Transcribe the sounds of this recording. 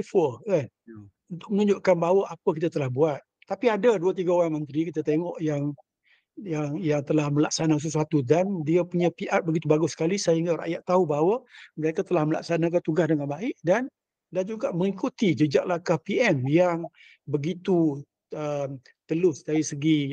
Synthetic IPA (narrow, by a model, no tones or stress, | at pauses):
ifɔkan | unt̪ʊk̚mənũɲd͡ʒʊʔkanbawəapəkit̪at̪əlahbuat̪̚ːapiadaduət̪̬iɡaoɾaŋmənt̪ɾikit̪at̪eŋɔʔjaŋ | jaŋjaŋt̪əlahməlak̚sanas̬əsuat̪udandiəpuɲãpiʔat̚bəɡit̪ubaɡʊsə̥kalisaiŋɡara̰ʔjaʔt̪ːaubawəməɾekat̪əlahməla̰ksanak̬at̪uɡasdəŋanbaɪʔdan | dand͡ʒuɡaʔməŋikut̪id͡ʒəd͡ʒaʔlahkahpiɛmjaŋ | bəɡit̪u | əm | t̪əlʊsdaɾisəɡi